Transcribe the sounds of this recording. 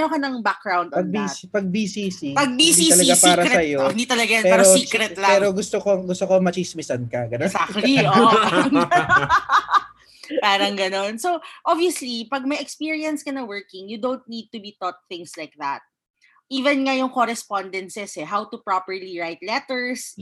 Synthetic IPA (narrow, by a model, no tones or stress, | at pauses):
nokɐnɐŋbak̚ɡɹawnd̪ɐbispɐɡ̚bisiːsipɐɡ̚bind̪it̪ɐlɐɡaspaːɾɐɾsɐjoɪ̃nd̪iːt̪ɐlɐɡajɐpɛːɾoikɾɛt̪lapɛːɾoɡʊst̪okoɡʊst̪okomɐt͡ʃismɪsɐnkɐɡɐnosakio | paːɾɐŋɡɐnonsoʔɔbiɐslipɐɡ̚mɐjɛkspiːɹiɐnskɐnɐwɜɹkɪŋjʊd̪õwnt̪̚nid̪̚t̪ʊbit̪ɔt̪̚θɪ̃ŋslajk̚ðɐt̪̚ | ʔiːvɛnŋɐjʊŋkoɾɛspɔnd̪ɛnsɛsɛɦawt̪ʊpɹapɛɹliɹajt̪lɛt̪ɛɹs